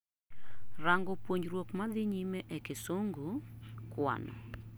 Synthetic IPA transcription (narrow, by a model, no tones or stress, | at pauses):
raŋɡɔpwoɲd͡ʒɾwokmad̪ɪɲimeʔɛkɪsoŋɡokwa̰nɔ̰